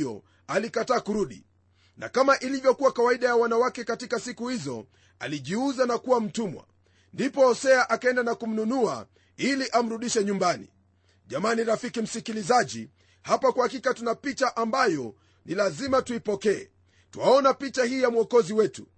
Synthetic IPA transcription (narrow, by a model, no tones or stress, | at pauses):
ɔ̰ | alikataːkuɾuɗḭ | na̰kamaʔilivjɔkuwakawaiɗajawanawakɛkatikasikuhizɔ̰ | a̰liʄiuzanakuwam̩tumwa̰ | ndipɔhɔsɛaʔakaɛndanakum̩nunua̰ | iliʔam̩ɾuɗiʃɛɲumbanḭ | ʄamaniɾafikim̩sikilizaʄi | hapakuhakikatunapit͡ʃaʔambajɔ | nilazimatuipɔkɛɛ̰ | tuwaɔnapit͡ʃahiːjamuɔkɔziwɛtu